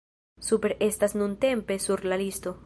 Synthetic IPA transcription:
supeɾest̪asnunt̪e̞mpe̞suɾlalist̪o̞

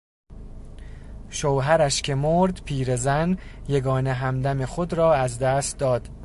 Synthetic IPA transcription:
ʃowɦæɾæʃcʲʰe̞moɾd̪pʰiːɾe̞zænje̞ɡɒːneɦæmd̪æme̞xod̪ɾɒːæzd̪æːst̪̚d̪ɒːd̪̥

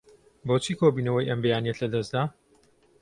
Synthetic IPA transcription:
bot͡ʃʰiːkʰobiːnɐwɐjʔɐmbɛjaːniɛt̪lɐd̪ɐzd̪aː

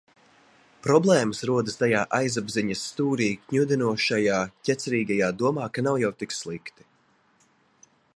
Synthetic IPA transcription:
pɾɔblˠɛːmasɾuɔd̪ɨst̪ajaːʔajzabziɲɐsːt̪uːɾiːkɲud̪ɛnuɔʃajaːcʲɛt̪sɛɾiːɡajaːd̪uɔmaːkanawjawt̪ikslˠikt̪i̥

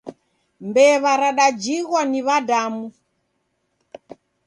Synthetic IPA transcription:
mbɛβaɾaɗad͡ʒiɣwaniβadamu

